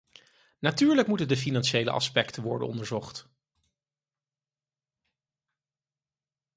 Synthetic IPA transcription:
natyːɹləkmutəndəf̬inɑnʃejlə̰ʔɑ̰spɛktənʋɔ̰ɹdə̰nɔ̰ndəɹzɔχt

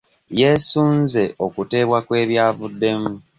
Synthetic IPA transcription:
je̞suːnze̞o̞kute̞ːβwakwe̞ːβjaːβudːe̞mu

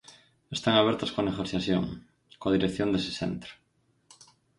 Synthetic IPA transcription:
est̪aŋaβeɾt̪askoneɣoθjasθjo̰ŋ | koðiɾekθjond̪ese̥sḛnt̪ɾo̥

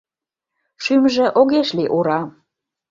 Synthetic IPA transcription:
ʃymʒĕʔoɣeʃliʔuɾɑ

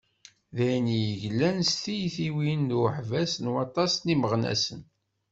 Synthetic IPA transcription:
ðæjnijəʝlːænst̪ijθiwinːuħvæsənwɑt̪ˤɑsniməʁnæ̰sən

